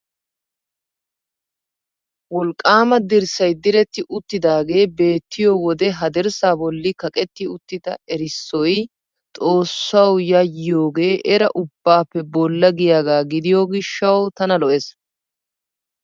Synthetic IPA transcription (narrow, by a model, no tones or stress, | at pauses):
wɔlkʼːaːmɐd̪ɪɾsɐjd̪ɪɾɛt̪ːɪʔʊt̪ːɪd̪aːɡe̞ːbe̞ːt̪ːɪjowɔd̪ɛɦɐd̪ɛɾsaːbɔlːɪkɐkʼɛt̪ːɪʊt̪ːɪd̪ɐ̰ɛɾɪsːɔj | t̪ʼo̞ːsːɐwjɐjːo̞ːɡe̞ːʔɛɾɐ̰ʔʊbːaːpːɛbɔlːɐɡɪjaːɡaːɡɪd̪ɪjoːɡɪʃːɐwt̪ɐnɐlɔʔɛs